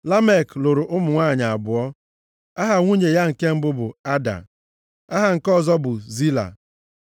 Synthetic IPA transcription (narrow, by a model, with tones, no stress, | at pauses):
la˦me˦˨klo˨ɾʊ˨ʔʊ˦mʊ˨ŋʷa˦˨ɲa˨a˨bʊ˨ɔ˦ | a˦ɦa˨ŋʷu˦ɲe˨ja˦ŋ̩˨ke˦m̩˦bʊ˦bʊ˨a˦da̰˨ | a˦ɦa˨ŋ̩˨kɔ˦˨zɔ˦bʊ˨zi˦la̰˨